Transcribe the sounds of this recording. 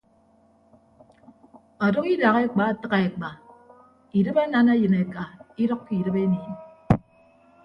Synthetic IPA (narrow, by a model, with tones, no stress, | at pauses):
ɔ˨dɔ˦ki˦da˨ɣe˦k͡pa˨tɨ˦ɣa˨e˨k͡pa˨ | i˨dɨ˦pa˦na˦na˦jɨ˨ne˨ka˨i˦ɾɔ˦kki˨dɨ˦pe˦niː˨n